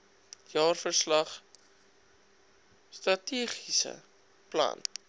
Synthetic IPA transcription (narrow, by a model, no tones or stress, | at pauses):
jɑːrfərslɐχ | st̪rɐtiəχisə̰ | plɐ̰n